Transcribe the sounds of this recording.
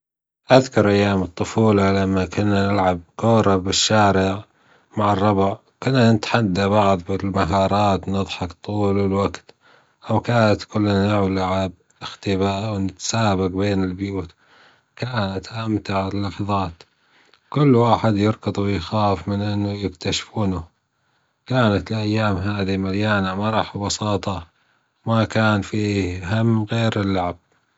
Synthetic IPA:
ʔaðkʊɾˤʔajːaːmɨt̪ˤːʊfuːlalamːakʊnːanɪlʕab̚koːɾɑbɪʃːaːɾɪʕ | maʕɑrˤːɑbʕ | kʊnːanɪt̪ħad̪ːabɑʕðˤbɪlmaɦɑːɾˤɑːt̪nɨðˤħɑkt̪ˤːuːlɪlwaɡt̪ | ʔawkaːnat̪kʊlːanɪʕlaʕab | ɪxt̪ɪbaːʔwnɪt̪saːbaqbeːnɪlbjuːt̪ | kaːnat̪ʔamt̪aʕɪlːɑħðˤɑːt̪ | kʊlːwaːħɪd̪jɑɾɡɑðˤwɪjxaːfmɪnʔɪnːʊjɪkt̪aʃfuːnʊ | kaːnat̪lʔajːaːmɦaːðimaljaːnamɑɾˤɑːħbɑsɑːt̪ˤɑ | makaːnfiːɦamːɣeːɾɪlːaʕab̥̚

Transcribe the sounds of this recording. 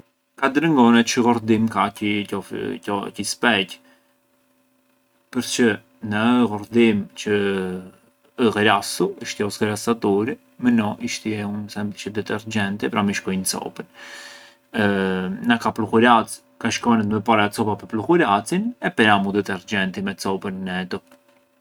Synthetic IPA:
kad̪ɾəŋɡɔnɛt͡ʃəɣɔɾd̪imkaɔɔcispɛc | pəɾt͡ʃə | nəɣɔɾd̪imt͡ʃə | ɣɛɾasuiʃt̪iɔsɣəɾasat̪ɔɾi | mənɔʔiʃt̪iɛunsɛmt͡ʃəd̪ɛt̪ɛɾd͡ʒɛnt̪ɛpɾamiʃkɔjnt͡sɔ̰pən | nakapluxuɾat͡s | kaʃkɔnɛt̪məpaɾaɛt͡sɔpapəpluxuɾat͡sinɛpɛɾamud̪ɛt̪ɛɾd͡ʒɛnt̪imɛt͡sɔpənnɛt̪ɔ

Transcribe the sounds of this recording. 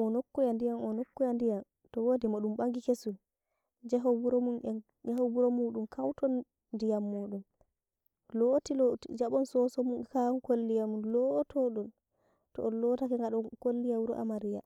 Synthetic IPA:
ɔnokːujandijanɔnokːujandijan | tɔwoːdimaɗumɓaŋɡikesul | d͡ʒaɦɔbuɾɔmunɛ | ahɔbuɾɔmuːɗumkʰawtɔn | ndijamːuːɗum | loːtiloid͡ʒaɓɔnsɔsɔmunkankolːijamunlɔtʰɔɗɔn | tɔ̰ːlɔtakɛŋɡaɗɔkolːijawuɾɔ̰ʔa̰maɾija̰

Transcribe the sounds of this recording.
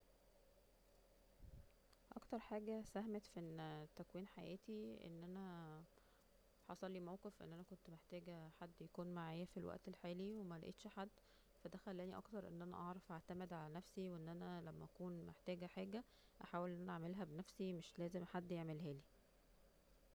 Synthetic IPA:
ʔɑ̰kt̪ɑɾˤħaːɡæsæɦmet̪fʔent̪ːækwiːnħajæ̰ːt̪iʔḛnːʔænæ | ħɑ̰sˤɑlːiːmæwqefʔḛnːʔænækont̪meħt̪æːɡæħad̪ːjækuːnmaʕaːjæfilwʔæ̰ʔt̪elħaːliwemælæʔḛːt̪ʃħad̪ː | fæd̪æxælːæːniʔɑ̰kt̪ɑɾˤʔḛnːʔænæ̰ʔɑʕɾˤɑfʔaʕt̪æmed̪ʕalænæfsiweʔenːʔænælæmːæ̰ʔækuːnmḛħt̪æːɡæħaːɡæ | ʔæħaːwelʔenːʔænæʔaʕmelɦæbenæfsimeʃlæːzemħad̪ːjeʕmelɦæːli

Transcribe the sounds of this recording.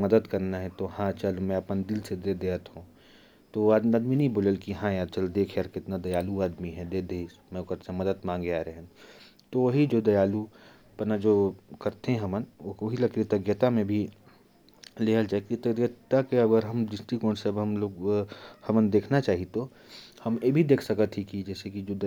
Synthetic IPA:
mɐd̪əd̪kɐɾnaɦɛt̪ohãt͡ʃɐlmɛ̃ɐpənd̪ɪlsed̪ed̪eːət̪ɦũ | t̪oaːd̪miaːd̪minɐɦĩboːləlkiɦãjaːt͡ʃɐld̪eːkʰeɐɾkɪt̪nad̪ɐjaːluaːd̪miɦɛd̪ed̪eːmɛ̃ʊkəɾsemɐd̪əd̪mãːŋɡeaːɾeɦ | t̪oʋɐɦid͡ʒoːd̪ɐjaːlu | pɐnad͡ʒoːkɐɾt̪eɦɛ̃ɦɐmənoɐɦilɐkit̪ɐɡjət̪amẽbʱi | leːɦəlt͡ʃaːekit̪ɐɡjət̪akeɐɡəɾɦɐmd͡ʒɪsʈ̪ikõːnseɐbɦɐmloːɡhɐmənd̪eːkʰnat͡ʃaːɦiet̪o | hɐmjebʱid̪eːkʰsɐkət̪ʰɦikid͡ʒɛːsekid͡ʒoː

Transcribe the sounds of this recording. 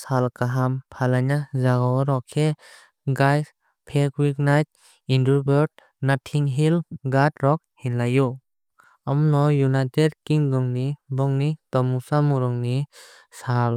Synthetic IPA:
salkaɦampʰalanazaɡɔwɾɔkʰe | ɡajs | pʰekwik̚najt̚ | indubɔɾd̚ | natʰiŋɦilɡatɾɔk̚hinlaju | amɔnɔjunajtedkiŋdɔŋnibɔŋnitɔmusamuɾɔŋni | sal

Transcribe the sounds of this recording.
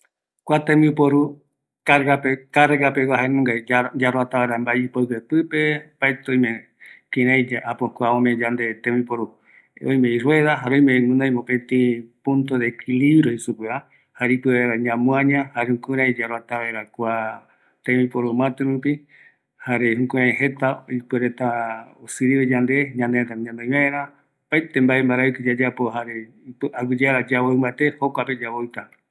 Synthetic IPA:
kʷat̪ẽmĩupoɾu | kaɾɡapekaɾɡapewaɦenũŋɡajd͡ʒaɾwat̪aβaeɾambaipokepɨpe̞pajt̪õjmẽ | kĩɾajd͡ʒaʔapokʷaõmẽd͡ʒand̪et̪ẽmĩpoɾu | õjmẽiɾweðaɦaɾõjmenũnãj̃mopẽt̪ĩpũnt̪oðeːkʰiliβɾoisupɨa | haɾeipɨeɾaɲãmũãɲãhaɾehũkuɾãjid͡ʒaɾwat̪aβaeɾakʷa | t̪ẽmĩpoɾomãt̪eɾupi | haɾehũkũɾãjɦe̞t̪aipɨɾet̪aosɨɾiβed͡ʒand̪e̞ɲãnd̪eet̪aɲãnd̪oj̃maeɾa | paet̪embaembaɾaiked͡ʒad͡ʒapoɦaɾe | ʔaɡud͡ʒeaɾad͡ʒaβoɨmãt̪ehokʷaped͡ʒaβoit̪a

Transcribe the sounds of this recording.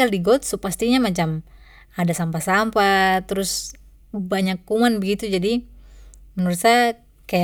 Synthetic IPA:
aldiɡɔt̪̚supast̪iɲamat͡ʃam | adasampasampat̪ɾʊs | baɲakːumanbəɡit̪ud͡ʒadi | mənuɾut̪sa | kaja

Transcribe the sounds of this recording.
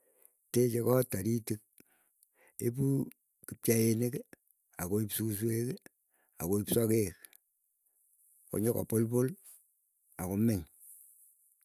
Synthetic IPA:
tet͡ʃekɔtaɾitik̚ | ep̬u | kip̚t͡ʃaenek | akoipsus̬wek | a̰koipsɔkek | ko̰ɲɔka̰polpʊl | akomɪɲ

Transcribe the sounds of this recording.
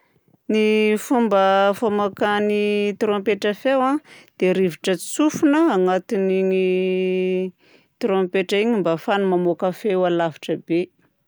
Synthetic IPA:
nifumbəfamakanit̪ɾõmpeʈ͡ʂəfewad̪̥eɾiviʈ͡ʂət͡st͡sufunəaŋat̪iniŋi | t̪ɾompeʈ͡ʂiɲimbafanumamokafewalavi̥ʈ͡ʂəbe

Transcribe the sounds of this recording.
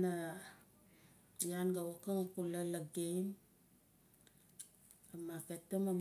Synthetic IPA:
na | janɡawakaŋakulalaɡem | amaketomam

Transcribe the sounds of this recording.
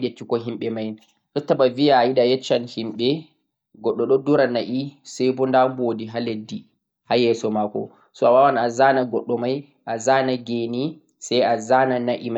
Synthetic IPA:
ɗet͡ʃːikɔɦimɓɛmaj | ɔtːaɓavijaːjiɗajɛt͡ʃːanhimɓɛ | ɡɔɗːɔɗɔduɾanaʔisajbɔndambodiɦaledːi | hajɛsɔmakɔ̰ | sɔawawanazanaɡɔɗːɔmaj | ʔazanaɡeni | sajazananaʔima

